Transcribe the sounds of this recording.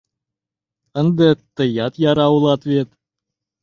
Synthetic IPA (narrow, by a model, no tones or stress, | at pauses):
ə̆nd̪ət̪ːə̆jɑt̪jɑɾɑwɤlˠɑt̪vʲet̪